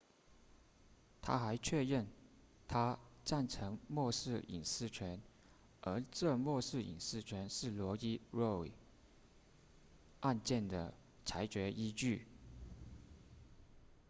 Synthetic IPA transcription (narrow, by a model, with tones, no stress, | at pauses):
t̪ʰa̰˥xa˧˥ɪt͡ɕʰɥɛ˥˧ɻə˥˩n | t̪ʰa˥ʈ͡ʂa˥˩nʈ͡ʂʰɤ˧˥ŋmwɔ˥˧ʂɻ̩˥˩ḭ˨˩nsɹ̩˥˩t͡ɕʰɥɛ˧˥n | ʔə˞˧˥ʈ͡ʂɤ˥˧mwɔ˥˧ʂɻ̩˥˩ḭ˨˩nsɹ̩˥˩t͡ɕʰɥɛ˧˥nʂɻ̩˥˩lwɔ˧˥t͡ɕi˥ɻo˥˩wḭ˨˩ | ʔa˥˧nt͡ɕjɛ˥˩nd̪ə̰˩ | t͡sʰa˧˥ɪt͡ɕɥɛ˧˥ʔi˥t͡ɕy˥˩